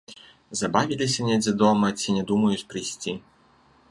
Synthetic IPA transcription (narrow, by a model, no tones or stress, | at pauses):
zɐbavʲilʲisʲɐnʲɛd͡zʲɛd̪ɔmɐt͡sʲinʲɛd̪umɐjut͡sʲpɾɨjsʲt͡sʲi